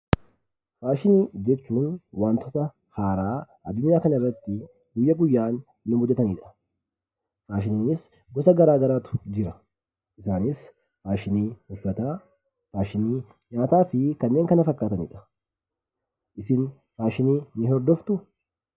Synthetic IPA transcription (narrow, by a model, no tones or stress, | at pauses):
ɾaːʃɪniːd͡ʒɛt͡ʃːuːnwaːnt̪ʰɔt̪ɐ | haːɾaːʔɐd̪ːʊɲːaːkɐnɐɪrːɐt̪ːɪ | ɡʊjːɐɡʊjːaːnː | ʊbʊd͡ʒːɛt̪ɐniːᶑɐ̥ | ɾaːʃɪniːnɪs | ɡɔsɐɡɐɾaːɡɐɾaːt̪ʊ̥d͡ʒɪɾɐ | ʔɪsaːnɪs | ɾaːʃɪniːhʊfːɐt̪aː | ɾaːʃɪniː | ɲaːt̪aːfɪkɐnːe̞ːŋkɐnɐfɐkːaːt̪ɐnḭːᶑɐ̥ | ʔɪsɪn | ɾaːʃɪniːnɪɦɔɾd̪ɔft̪ʊ